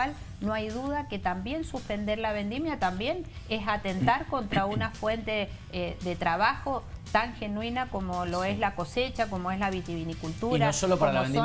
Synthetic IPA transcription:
al | noajðuðake̞t̪ambje̞nsuspe̞nd̪e̞ɾlaβe̞nd̪imjat̪ambje̞n | esat̪e̞nt̪aɾko̞nt̪ɾaunafwe̞nt̪e̞ | eðe̞t̪ɾaβaxo̞t̪aŋxe̞nwinako̞mo̞lo̞e̞zlako̞se̞t͡ʃako̞moe̞zlaβit̪iβinikult̪uɾaosolopaɾalaβe

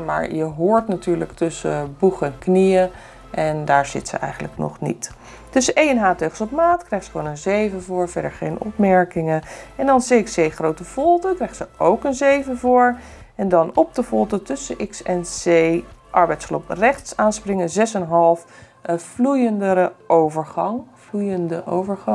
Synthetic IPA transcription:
ma̰ːɹjəɦoːɹtnatyːɹləktɵsəbuχəɛnknijə | ʔɛndaːɹz̥ɪ̰tsə̰ɛ̰jχənləknɔ̰χnḭt | tɵsəʔejɛnɦaːteχəsɔpmaːtkrɛjχtsə̥χəʋoːnənzejvəvʊːɹvɛɹdəɹχejnɔ̰pmɛɹkɪŋəɛndɑnseɪksejχrowtəv̥ɔlˠtəkrɛjχtsəʔowkənzejvəvʊːɹ | ɛndɑnɔp̚dəvɔlˠtətɵsəʔɪksɛnsejʔɑɹbɛjtsloprɛχtsaːnsprɪŋəzɛsɛnɦɑlˠf | vlujəndəɾəʔowvəɹχɑŋ | vlujəndəʔo̰wvəɹχɑ

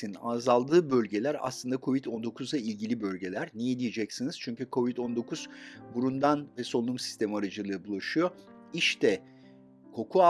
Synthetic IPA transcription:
inazalˠd̪ɯːbølʲɟe̞lʲæɾa̰slˠɯnd̪akʰo̞vit̪ʰo̞nd̪o̞kʰuzˠailʲɟilʲibølʲɟe̞lʲæɾnijed̪ijed͡ʒɛcsiniz̥t͡ʃʰyɲcykʰo̞vit̪o̞nd̪o̞kʰuz̥buɾund̪anvɛso̞lˠumsi̥st̪ʰe̞miaɾad͡ʒɯlˠɯːbulˠaʃɯjo̞ | iʃt̪ʰɛ | kʰo̞kʰua

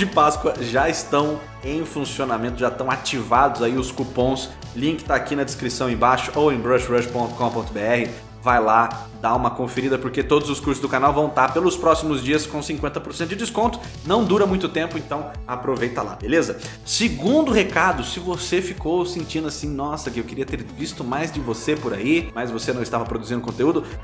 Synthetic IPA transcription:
d͡ʒɪpaskwɐʒaɪst̪ɐ̃w̃ | ẽj̃fũsionamẽnt̪ʊʒat̪ɐ̃w̃at͡ʃivad̪ʊzaiʊskupõs | lĩkɪɪ̥t̪aakinɐd͡ʒɪskɾisɐ̃w̃ẽbaʃʊ̥ʔowẽj̃bɾɐʃbɾɐʃpõnt̪ʊ̥kõpõnt̪ʊbeɛhɪ | vajla | d̪aũmɐkõfeɾid̪ɐpoɾket̪od̪ʊzʊskuɾsʊzd̪ʊkanawvɐ̃w̃t̪apelʊspɾɔsimʊzd͡ʒiɐskõw̃sĩŋkwẽnt̪ɐpoɾsẽnt̪ʊd͡ʒɪd͡ʒɪskõnt̪ʊ̥ | nɐ̃w̃d̪uɾɐmũj̃t̪ʊt̪ẽmpʊẽnt̪ɐ̃w̃apɾovejt̪ɐla̰belezɐ | sɪɡũnd̪ʊhekad̪ʊsɪvosefikowsẽnt͡ʃĩd̪ʊasĩnɔsɐkɪewkɪɾiɐt̪eɾvist̪ʊmajzd͡ʒɪvosepʊɾa̰imɐjzvosenɐ̃w̃ɪst̪avɐpɾod̪uzĩnd̪ʊkõnt̪eud̪ʊ

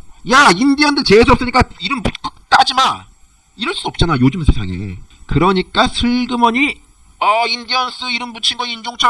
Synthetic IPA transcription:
jaindijʌndɯt͡ɕes̬ʰoʌps͈ɯɲik͈aiɾɯmbutk͈ɯk̚t͈ad͡ʑima | iɾʌɭs͈duʌp̚t͡ɕ͈anajod͡ʑɯmsʰe̞sʰa̰ŋe̞̰kɯɾʌɲik͈asʰɯɭɡɯmʌɲi | ʌindiʌns͈ɯiɾɯmbut͡ɕʰinɡʌind͡ʑoŋt͡ɕʰʌ

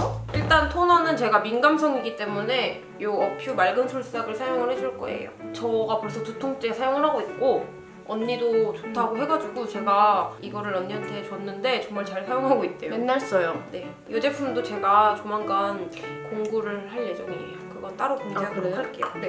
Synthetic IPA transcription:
iɭt͈antʰonanɯnt͡ɕe̞ɡaminɡamsʰʌŋiɡit͈e̞mune̞ | joʌpʰjumaɭɡɯnsʰoɭs͈aɡɯɭsʰajoŋɯɭhɦe̞d͡ʑuɭk͈ʌ̰ḛjo̰t͡ɕʌɡapoɭsʰʌtutʰoŋt͡ɕ͈esʰajoŋɯɭɦaɡoit̚k͈o | ʌnːidot͡ɕotʰaɡoɦe̞ɡad͡ʑuɡut͡ɕe̞ɡaiɡʌɾɯɭʌnːiɦantʰe̞t͡ɕwʌnːɯnde̞t͡ɕʌŋmaɭt͡ɕaɭsʰajoŋɦaɡoit̚t͈ejoenːaɭs͈ʌjone̞ | jod͡ʑe̞pʰumdot͡ɕe̞ɡat͡ɕomaŋɡankoŋɡuɾɯɭhaɭje̞d͡ʑʌŋi | kɯɡʌnt͈aɾʌkoŋd͡ʑeɡɯɾɯaɭk͈eone

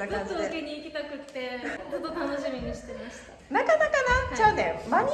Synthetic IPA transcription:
ɯt̪oɯkeɲ̟iːkʲit̪akɯ̟t̪ːe̞t̪od̪ot̪anoɕimʲiɲiɕi̥t̪emaɕi̥t̪a | nakanakanat͡ɕanẽmaɲʲi

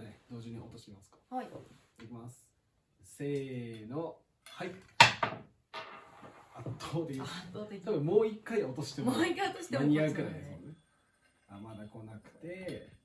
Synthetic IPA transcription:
ned̪o̞ːʑɨɲio̞t̪o̞ɕi̥k̪ʲemasɨ̥kḁ | d̪ekʲimasɨ̥ | se̞ːno | hai | at̪ʰːoːd̪eoaobmo̞ːikːaio̞t̪o̞ɕi̥t̪emoikːajot̪oɕi̥neaɲiaɯkɯɾajd̪esne | amad̪ako̞nakɯ̟̥t̪e̞

